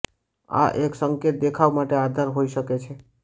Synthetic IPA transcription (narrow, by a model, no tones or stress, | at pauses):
a̰ʔeksəŋket̪̚d̪ekʰaʋmaʈead̪ʱəɾɦoiʃəket͡ʃʰe